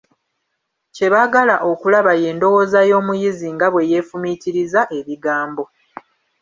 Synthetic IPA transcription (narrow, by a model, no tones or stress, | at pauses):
ce̞βaɡalaʔo̞kulaβaje̞ːndo̞wo̞zajo̞ːmujiziŋɡaβwe̞je̞ːfumiciɾizaʔe̞βiɡaːmbo̞